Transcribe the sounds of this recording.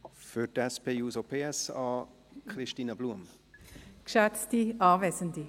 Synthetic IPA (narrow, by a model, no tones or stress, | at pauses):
fʏtɛspʰeːjuːzopʰeːɛsɑː | kχrɪʃtiːnəbluəm | kʃɛt͡stiʔɑːvɛsəndi